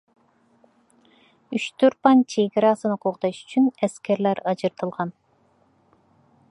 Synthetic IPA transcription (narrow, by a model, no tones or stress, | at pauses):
yʃt̪uɾpɑnt͡ʃʰeɡeɾɑsɯnoquqd̪ɑʃy̥t͡ʃʰynæskeɾlæɾɑd͡ʒɯɾt̪ɯlˠʁɑn